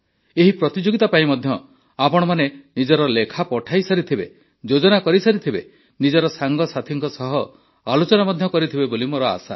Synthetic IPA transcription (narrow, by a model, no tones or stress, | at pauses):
eɦipɾɔt̪id͡ʒoɡit̪apaĩmɔd̪ʱjɔ | apɔɽ̃ɔmanenid͡ʒɔɾɔlekʰapɔʈʰajsaɾit̪ʰibe | d͡ʒod͡ʒɔnakɔɾisaɾit̪ʰibe | nid͡ʒɔɾɔsaŋɡɔsat̪ʰiŋkɔsɔɦɔ | alot͡ʃɔnamɔd̪ʱjɔkɔɾit̪ʰibebolimoɾɔa̰sa̰